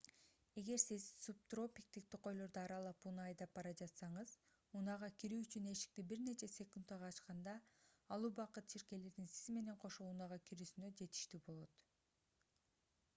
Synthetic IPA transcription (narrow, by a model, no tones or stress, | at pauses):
e̞ɡe̞ɾsizsup̚t̪ro̞pʲik̚t̪ik̚t̪iqːo̞jlˠo̞ɾd̪oɑɾɑlˠɑpunɑɑjd̪ɑp̚bɑɾɑd͡ʒɑt̪sɑɴɯz̥ | unɑʁɑkiɾyːyt͡ʃyne̞ʃi̥k̚t̪ibiɾne̞t͡ʃe̞sʲe̞kund̪ɑʁɑːt͡ʃqɑnd̪ɑːlˠuːbɑqɯt̪̚t͡ʃʰiɾke̞le̞ɾd̪insizme̞ne̞ɴqʰo̞ʃounɑʁɑkiɾyːsynø̞d͡ʒe̞t̪i̥ʃt̪ibo̞lˠo̞t̪